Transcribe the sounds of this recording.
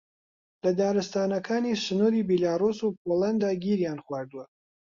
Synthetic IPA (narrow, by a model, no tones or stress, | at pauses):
lɐd̪aːɾɨst̪aːnɐkʰaːnisɨnuːɾiːbilaːrusupoland̪aɡiɾjanxwaːɾd̪uwɐ